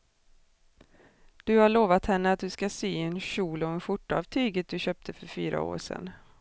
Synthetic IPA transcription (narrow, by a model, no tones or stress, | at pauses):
d̪̥ɵhaɭoːvat̪hɛnːəat̪̚d̪ɵskasyːɛnɕuːlɔɛnɧʊʈːa̰vt̪ʰyːɡət̪̚d̪ɵɕøːp̚t̪ʰəfœɾfyːɾa̰o̰ːɾʂɛ̰nː